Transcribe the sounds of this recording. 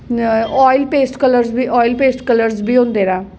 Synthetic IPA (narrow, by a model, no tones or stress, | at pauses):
ɔːilpeːsʈkələɾzbiːɔːilpeːsʈkələɾzbiːɦõːnd̪eːɾaː